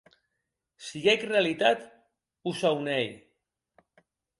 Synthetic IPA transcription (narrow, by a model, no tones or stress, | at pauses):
siɣɛkrealit̪at̪ | uzawnɛj